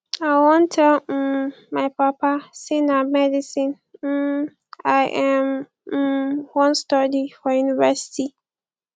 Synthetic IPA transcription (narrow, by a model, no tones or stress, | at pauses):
aɪwɔ̃ntʰɛ | maɪpapasĩnamɛdisĩn̩ | aɪʔɛm̩ | wɔ̃nstɔdifɔjunivɛsi̥ti